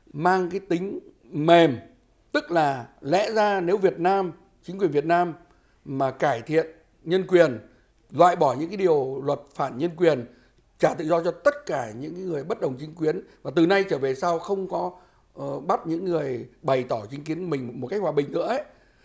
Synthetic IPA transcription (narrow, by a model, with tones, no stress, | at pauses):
maː˧ŋkaː˨˦jt̪ï˨˦ŋ̟ | me˨˩m | t̪ɨ˦˥k̚laː˨˩lɛ̰˧˥zaː˧ne˨˦wvi˨˩ət̚naː˧m | t͡ɕi˨˦ŋkwi˨˩ənvət̚naː˧mː | aː˨˩kaː˧˩jt̪ʰḭ˧˨ən | ɲə˧nkwi˨˩ən | lwa̰ː˧˨jɓɔ˧˩ɲɨ̰˧˥ŋkaː˨˦i˨˩əwlwə˨˩t̚faː˧˩nɲə˧nkwi˨˩ən | t͡ɕaː˧˩t̪ɨ̰˧˨zɔ˧t͡ɕɔ˧t̪ə˦˥t̚kaː˧˩ɲɨ̰˧˥ŋkaː˨˦ŋɨ˨˩əjɓə˦˥t̚ɗə˨˩wŋ͡mt͡ɕï˨˦ŋ̟k̬wi˨˦ənvaː˨˩t̪ɨ˨˩na˧jt͡ɕəː˧˩ve˨˩saː˧wxə˧wŋ͡mkɔ˨˦˩ | ɓa˦˥t̚ɲɨ̰˧˥ŋːɨ˨˩əjɓa˨˩jt̪ɔ˧˩t͡ɕï˨˦ŋ̟k̬i˨˦ənmï˨˩ŋ̟̚˨˩mo˨˩ka˦˥k̚hwaː˨˩ɓï˨˩ŋʔɨ̰˧˥əə˦